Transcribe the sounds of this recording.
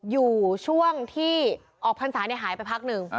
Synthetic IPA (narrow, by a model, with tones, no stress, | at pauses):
juː˨˩t͡ɕʰu˥˩əŋt̪ʰiː˥˩ | ʔɔː˨˩k̚pʰa˧nsaː˩˦na˧jɦaː˨˩˦jpa˧jpʰa˦˥k̚nɯ˨˩ŋ